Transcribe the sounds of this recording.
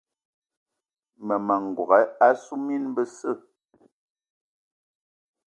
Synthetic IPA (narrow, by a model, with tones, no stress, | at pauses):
mə˨mə˨ŋ˨ɡwɔ˨ɣɛ˨˦a˦su˦mi˦n˦bə˦sə˦˨